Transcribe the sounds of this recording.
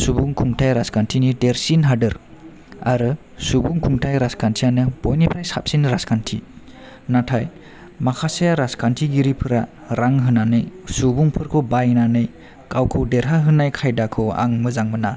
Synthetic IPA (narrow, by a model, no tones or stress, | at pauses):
subuŋkʰuŋtʰajɾaskantʰinideɾsinɦadɯɾ | a̰ɾɯ | subuŋkʰuŋtʰajɾaskʰantʰijanɯb̥ojnipʰɾajsap̚sinɾaskantʰḭ | natʰaj | makʰasajaɾaskʰantʰiɡiɾipʰɯɾa | ɾaŋɦɯnanɯjsubuŋpʰɯɾkʰɯbajnanɯj | kawkʰɯwdeɾɦaɦɯnajkʰajdakʰɯwa̰ŋmɯzaŋmɯna